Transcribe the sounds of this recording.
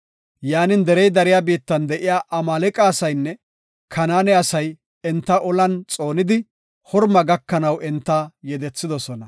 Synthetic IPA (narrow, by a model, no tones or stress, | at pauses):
jaːnɪnd̪ɛɾɛjd̪ɐɾɪjaːbiːt̪ːɐnd̪ɛʔɪjaːʔɐmaːlɛkʼaːsɐjnːɛ | kʰɐnaːnɛɐsɐj | ɛnt̪ːɐʔɔlɐnt͡sʼo̞ːnɪd̪ɪ | hɔɾmɐɡɐkːɐnɐwɛnt̪ːɐjɛd̪ɛt͡sːɪd̪ɔsɔnɐ